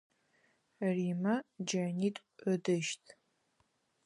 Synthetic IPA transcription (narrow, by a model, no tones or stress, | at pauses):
riːmɐd͡ʒɐniːtʼədɨʃtʰ